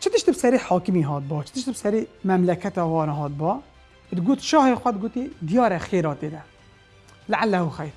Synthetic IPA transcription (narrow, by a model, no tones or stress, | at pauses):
t͡ʃʰɨd̪ɨʃt̪ibsɛɾeːħɑːkɨmiɦɑːt̪̚bɑːt͡ʃʰɨ̥d̪ɨʃt̪bsɛɾeːmɛmlɛkʰɛt̪ɑːwɑːnɑɦɑːt̪̚bɑː | d̪ɡoːt̪ʃɑːheːxʷɛd̪ɡoːt̪iːd̪ijɑːɾɛxeːɾɑːt̪eːd̪ɛ | laʕalːɛhuxɛjɾ